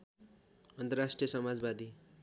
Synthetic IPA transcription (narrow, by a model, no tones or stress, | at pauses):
ʌnt̪ʌrasʈrijʌsʌmad͡zbad̪i